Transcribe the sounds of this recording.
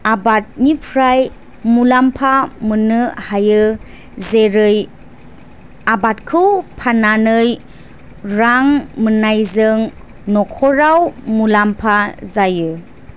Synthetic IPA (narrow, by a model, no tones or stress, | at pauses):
abat̚nipʰɾaj | mulampʰamɯnɯhajɯ | zeɾɯj | abat̚kʰɯwpʰananɯj | ɾaŋmənajzɯŋ | nɔkʰɔɾawmulampʰazajɯ